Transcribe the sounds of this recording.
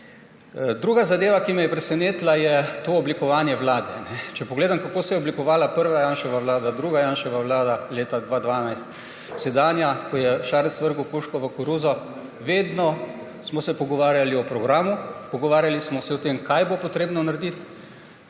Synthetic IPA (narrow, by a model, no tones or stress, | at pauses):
d̪ɾuːɡazad̪eːʋakimɛjɛpɾɛsɛneːt̪lajɛt̪oɔblikɔʋaːnjɛʋlaːd̪ɛ̰nɛt͡ʃɛpɔɡleːd̪amkakoːsɛjɛɔblikɔʋaːlapəɾʋajanʃɛʋaʋlaːd̪ad̪ɾuːɡajaːnʃɛʋaʋlaːd̪aleːt̪ad̪ʋaːd̪ʋaːnajst̪ | sɛd̪aːnjakɔjɛʃaːɾɛsʋəɾkukuʃkɔʋəkɔɾuzɔ | ʋeːd̪nɔ | smɔsɛpɔɡɔʋaːɾjaliɔpɾɔɡɾaːmupɔɡɔʋaːɾjalismɔsɛɔt̪emkajbopɔt̪ɾeːbnɔnaɾd̪it̪